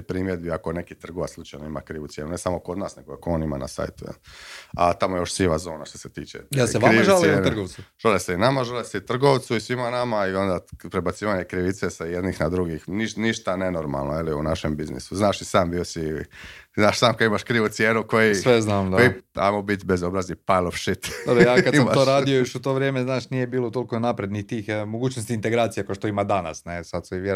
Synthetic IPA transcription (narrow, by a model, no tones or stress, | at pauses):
pɾiːmjed̪biakone̞kit̪r̩ɡoʋa̰slˠut͡ʃajnoima̰kɾiːʋut̪sjenune̞samokod̪naːsneɡokooːnima̰na̰sa̰ːjt̪ujḛla̰t̪amojejoʃsiːʋazo̞ːnaʃt̪o̥set̪iːt͡ʃḛjelsekaɾiːʒalent̪r̩ɡoʋsuʒ̥aleseinamaʒaleseit̪r̩ɡoʋt̪suisʋimanamaio̞nd̪apɾebat̪siːʋaɲekɾiʋit̪sesajed̪nixnad̪ɾuɡixniʃniʃt̪anenoɾma̰lˠnojeliṵnaʃḛmbiznḭsuznaːʃisaːmbiosi | znaːʃsaːmkod̪imaʃkɾiːʋut̪sjeːnuko̞jisʋeznaːmd̪ojia̰jmobit̪bezobɾazipajlˠofʃit̪od̪jaːkad̪samat̪oɾaːd̪ijojoʃut̪oːʋɾʲjeːmeznaːʃnijebiːlˠot̪olkonapɾed̪nit̪ːiːxmoɡuːt͡ɕnost̪int̪eɡɾaːt̪sijakoʃt̪oimad̪ana̰snesad̪seʋje